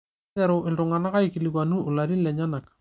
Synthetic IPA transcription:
ɛɾʊ˨ʔɪ˨ltʊ˨ŋa˨na˦ka˦iki˨li˨kwa˨nu˦ʊ˨la˨ɾi˦lɛ˨ɲa˦na˨k

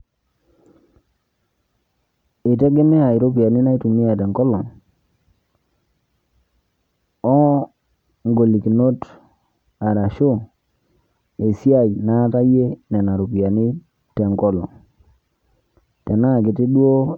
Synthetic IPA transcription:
e˨te˦ɡe˦me˦a˨i˨ɾo˦pi˨a˨ni˦na˦i˦tu˨mi˦a˨te˨ŋkɔ˦lɔ˨ | ɔ˦ | ŋɡo˨li˨ki˨no˦t | a˨ɾa˨ʃo˦ | e˨si˦a˦˨jna˦ta˦je˦nɛ˨na˨ɾo˨pi˨a˨ni˦ | te˨ŋkɔ˦lɔ̰˨ | te˨na˦˨kɪ˨ti˦ɗu˦o˦

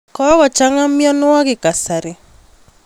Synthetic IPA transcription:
kɔ˦ɣɔ˨t͡ʃa˦ŋa˦mɪ˦ɔ˦nʊ˦a˦ɡɪ˨ka˨sa˨ɾɪ˨

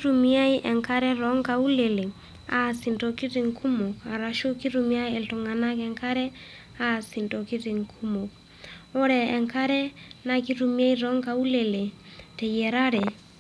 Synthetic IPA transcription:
ɾu˨mi˦a˦i˦ʔɛ˨ŋka˦ɾɛ˦ɾɔ˨˦ŋka˨u˦lɛ˨le˨ | a̰˦˨si˨ndɔ˨ki˦ɾi˨ŋkʰu˦mo˨ka˨ɾa˨ʃo˦ki˦ɾu˨mi˦a˦ɛ˨ltɔ˨ŋa˨na˦kɛ˨ŋka˦ɾɛ˦ | a˦˨si˨ntɔ˨ki˦ɾɪ˨ŋkʰu˦mo˨k̚ | ɔ˦ɾɛ˨ɛ˨ŋka˦ɾɛ˦na˨ki˦ɾu˨mi˦a˦i˦ɾɔ˨˦ŋka˨u˦lɛ˨le˨tɛ˨jɛ˨ɾa˦ɾɛ˨

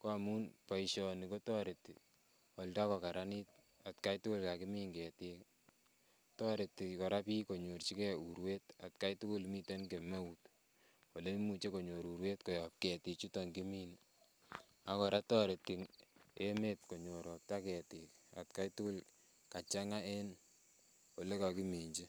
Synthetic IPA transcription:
ko˦a˨mu˦npa˨iʃɔ˨ni˨ko˦tɔ˦ɾe˨ti˨ | ɔ˨lda˦kɔ˨ka˨ɾa˦ni˦t̚ | a˨tka˦jtʊ˦kʊ˦lka˨kɪ˦miː˦ŋɡɛ˨tɪ˦k | tɔ˦ɾe˨tːi˨kɔ˨ɾa˦pi˦ko˨ɲo˨rt͡ʃi˦kɛ˦u˨ɾwe˦ta˨tka˦jtʊ˦kʊ˦lmi˦te˦nke˨me˦ut | o˨le˦mu˨t͡ʃe˦ko˨ɲo˨ɾu˨ɾwe˦tko˨jɔ˨p̚kɛ˨ti˨t͡ʃu˦tɔ˨ŋki˦mi˦n | a˨kɔ˨ɾa˦tɔ˦ɾe˨t̚ki˨ŋe˦me˦tko˨ɲo˨ɾɔ˨p̚ta˦kɛ˨tɪ˨ka̰˨tka˦jtu˦kʊ˦l | ka˨t͡ʃa˦ŋa˦e˦n | o˨le˦ka˨ki˦me˨ɲd͡ʒi˦

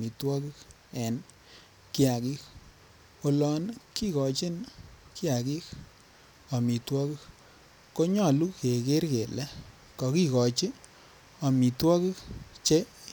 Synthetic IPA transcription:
i˨twɔ˦kɪ˦k | ɛ˨n | ki˦a˨ki˦k | o˨lɔ˦nki˦kɔ˨t͡ʃi˦nkɪ˦a˨ki˦k | ɔ˨mi˨twɔ˦ki˦k | ko˦ɲɔ˦˨lu˦ke˨ke˦ɾke˨lɛ˦ | kɔ˨ki˦kɔ˨t͡ʃɪ˦ | ɔ˨mi˨twɔ˦ki˦kt͡ʃe˦

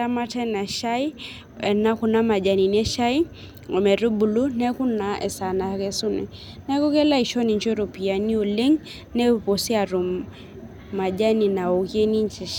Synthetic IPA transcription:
a˦ma˦tɛ˦na˨ʃa˦i˦ | ɛ˨na˦ku˨na˦ma˨d͡ʒa˨ni˨n˦ɛ˦ʃa˦i˦ | o˨mɛ˨ɾu˦bu˨lu˦nɛ˦kʊ˦na˨˦ʔɛ̰˨sa˨na˨˦kɛ˦su˦nɛ̰˨ | nɛ˦ku˦kɛ˦la˦i˨ʃɔ˦ni˨ɲt͡ʃo˦ɾo˨pi˨a˨ni˦o˨le˦ŋ | nɛ˦˨po˨si˦a˨ɾu˨m | ma˨d͡ʒa˦ni˨na˨o˨kje˦ni˦nt͡ʃɛ˨

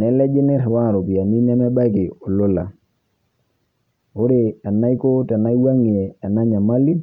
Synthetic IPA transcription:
nɛ˨˦lɛ˦d͡ʒɪ˦nɪ˦ɾwa˦˨ɾo˨pi˨a˨ni˦nɛ˦mɛ˦ba˦kɪ˨ɔ˨lo˦la˨ | ʊ˦ɾe˨a˨na˦i˦ko˦ta˨na˦i˦wa˦ŋi˨ɛ˨a˨na˦ɲa˨ma˦li˦

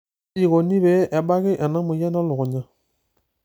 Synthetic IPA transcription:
i˨ɣɔ˨ni˦bɛ˨˦ʔɛ˨ɓa˦ɣi˦ʔa˨na˦mu˨jɛ˦na˦lɔ˨ɣɔ˨ɲa˦

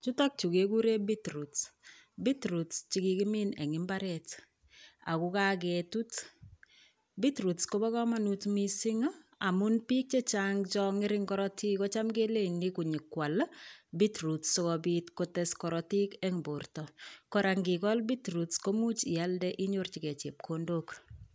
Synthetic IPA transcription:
t͡ʃu˦tɔ˦k̚t͡ʃu˨keku˦ɾe˦bi˦tɾu˨t | bi˦tɾu˨tt͡ʃikiki˦mi˦ne˨ŋɪ˦mbaɾɛt | a̰˨kuka˦k̬ɛtu˦t | bitɾu˨tskobɔ˦kɔ˦ma˦nutmisɪ˦ŋ˦a˨munpi˦k̚t͡ʃe˦t͡ʃaŋt͡ʃɔŋɪ˦ɾɪŋkɔ˦ɾɔti˦kɔ˦t͡ʃa˦mɡe˦le˦ŋniku˨ɲi˨kwa˨lbi˦tɾu˨tsɔkɔbitkotɛskɔ˨ɾɔti˦kɛ˦ŋbo˨rtɔkɔ˦ɾa˨ŋɡi˨kɔ˦lbi˦tɾutsko˦mu˦t͡ʃi˨aldɛʔi˦ɲort͡ʃi˨kɛ˨t͡ʃe˨p̚kʰondok

